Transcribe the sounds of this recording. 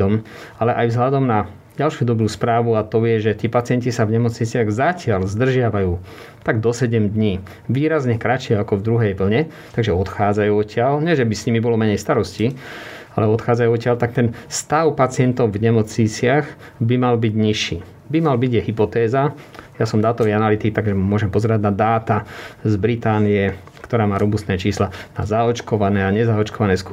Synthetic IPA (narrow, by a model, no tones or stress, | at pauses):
ɔm | alɛʔajvzɦʎad̪ɔmna | ɟalʃuːd̪ɔbɾuːspɾaːʋuat̪ɔjɛʒɛt̪ɪiɛpat͡sɪɛncisavɲɛmɔt͡sɲit͡sɪaɣzacɪalzd̪r̩ʒɪaʋajuː | t̪aɡd̪ɔsɛɟɛmd̪ɲiː | ʋiːɾazɲɛkɾat͡ʃɪɛakɔvd̪ɾuɦɛjʋl̩ɲɛ | t̪aɡʒɛɔt̪xaːd͡zajuːɔcɪalɲɛʒɛbisɲimibɔlɔmɛɲɛjst̪aɾɔsci | a̰lɛɔt̪xaːd͡zajuɔcɪalt̪ak̚t̪ɛnst̪aʊpat͡sɪɛnt̪ɔʊvɲɛmɔt͡sɲit͡sɪaɣ | bimalbiɟɲiʃiː | bimalbiɟjɛɦipɔt̪ɛːzajasɔmd̪aːt̪ɔʋianalit̪ikt̪aɡʒɛmʊɔʒɛmpɔzɛɾaɟnad̪aːt̪azbɾit̪aːnijɛ | kt̪ɔɾaːmaːɾɔbust̪nɛːt͡ʃiːslana̰zaɔt͡ʃkɔʋanɛːaɲɛzaɔt͡ʃkɔʋanɛːsk